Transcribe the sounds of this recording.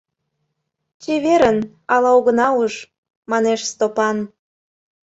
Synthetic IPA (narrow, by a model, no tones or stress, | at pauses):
t͡ɕeβeɾən | ɑlɑoɣənɑuʃ | mɑneʃst̪opɑn